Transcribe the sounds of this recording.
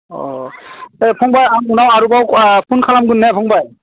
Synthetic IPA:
ɔ̰ | epʰɔŋbajamunawaɾubawpʰunkʰalamɡɯnːɛpʰɔŋbaj

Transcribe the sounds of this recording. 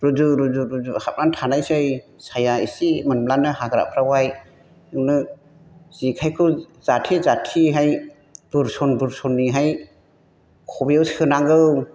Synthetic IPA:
ɾuzuɾuzuɾuzuhap̚nantʰanajsɯjsajaisimanblanɯhaɡɾa̰pʰɾawaj | ɯŋnɯ | z̥ikʰajkʰɯz̥atʰizatʰiɦaj | b̥ɯɾsɔnbɯɾsɔnːiɦaj | kʰɔbijawsɯnaŋɡɯw

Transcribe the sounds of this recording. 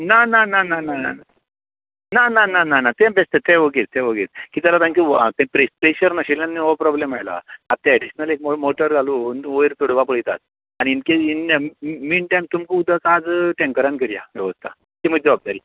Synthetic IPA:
nananananana̰a | nananananat̪ẽbest̪et̪ẽʋəɡet͡st̪ẽʋəɡet͡skiːt̪jalat̪ãnkit̪ẽpɾespɾeɕəɾnaɕelanːioʋpɾɔblemajla̰at̪ẽɛɖiɕnəlek̚momoʈəɾɡʱaluːnoiɾt̪oɽʋapəɭit̪a̰t̪̚ | añiːnkeinaminʈajmt̪umkũud̪ʱəkad͡zʈẽŋkəɾankəɾija̰ʋɛʋəst̪ʰa̰ | t̪im̤əɡd͡zəʋab̚d̪aɾiː

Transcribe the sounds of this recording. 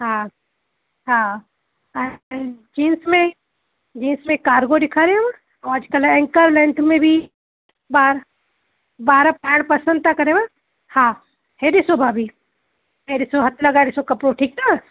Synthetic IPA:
ɦã | ɦã | d͡ʒiːnsmẽ | d͡ʒiːnsmẽkaːɾɡoɖ̪ɪkʰaɾeɦema | ɔaːd͡ʒkəlɛ̃ŋkəɾlɛ̃nt̪ʰmẽbʱi | baːɾ | baːɾapɛːɽpɐsə̃nd̪̚t̪ʰakɐɾẽma | hã | heɾisobʱaːbʱi | ɦeɾisoɦɐt̪ʰlɐɡaɾisokɐpɾoʈʰiːk̚t̪a

